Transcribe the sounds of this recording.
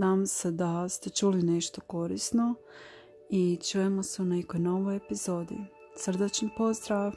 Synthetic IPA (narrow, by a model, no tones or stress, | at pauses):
aːmose̞d̪ast̪e̞t͡ʃuːline̞ʃt̪o̞ko̞ɾḭsno̞ | it͡ʃuːjemo̞seune̞ko̞jno̞ʋojepizo̞ːd̪ḭ | sr̩d̪et͡ʃɲipo̞zd̪ɾaːʋ